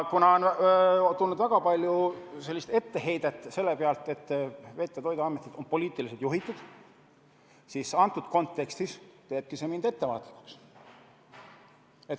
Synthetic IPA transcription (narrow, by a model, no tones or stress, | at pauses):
kunɑont̪ulnːud̪væɡ̥ɑpɑlʲjuse̞lːist̪e̞t̪ːe̞ɦe̞jd̪̥et̪ːˑse̞lːepeɑlt̪ˑe̞t̪ːˑve̞t̪ːˑet̪o̞jd̪uɑmːet̪ːˑid̪̥o̞npo̞lʲiːt̪ːˑiliset̪juɦit̪ːˑud̪̥ | sisɑnt̪ːˑud̪̥ko̞nt̪ːˑe̞kst̪ist̪e̞ːb̥̚kise̞mind̪̥e̞t̪ːe̞vɑ̰ːt̪ˑli̥kːˑu̥ks | et̪